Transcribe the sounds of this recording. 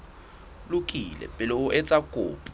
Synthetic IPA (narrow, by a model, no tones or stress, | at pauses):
lukʼilɛ̰pʼɛloʔɛt͡sʼaɡ̥ʱo̰ːpʼ